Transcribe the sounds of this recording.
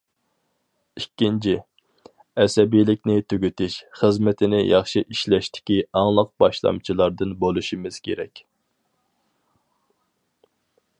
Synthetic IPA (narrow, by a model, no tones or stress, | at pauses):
ikʲːint͡ʃʰi | ɛsɛbijlɪkʲnɪt̪ʰøɡʲyt̪ɪʃχəzmɪt̪ʰɪnɪjʔɑχʃiʔiʃlɛʃt̪ʰɪ̥kʲiɑŋlˠəq̚bɑʃlˠɑ̰mt͡ʃʰilˠɑɾd̪ɨnbolˠuʃimɪz̥kʲʰḛɾɛ̰kʲ